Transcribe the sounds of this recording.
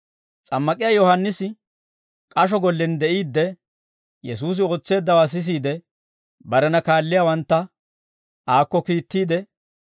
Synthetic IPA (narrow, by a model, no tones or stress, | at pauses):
t͡sʼɐmːɐkʼɪjaːjɔhɐnːɪsɪ | kʼɐʃ̬ɔɡɔlːɛnd̪ɛʔiːd̪ːɛ | jɛsuːs̬ɪo̞ːt͡sːe̞ːd̪ːɐwaːs̬ɪs̬iːd̪ɛ | bɐɾɛnɐkaːlːɪjaːwɐnt̪ːɐ | aːkːɔkiːt̪ːiːd̪ɛ